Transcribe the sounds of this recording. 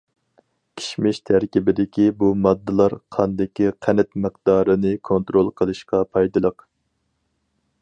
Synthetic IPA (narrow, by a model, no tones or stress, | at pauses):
kʲʰi̥ʃmɪʃt̪ʰæɾkʲibɪd̪ɪkʲibumɑd̪ːɨlˠɑɾqʰɑnd̪ɪkʲiqʰænɛt̪məqd̪ɑːɾɨnɨkʰont̪ɾolˠqʰəlˠɨʃqɑpʰɑjd̪ɨlˠəq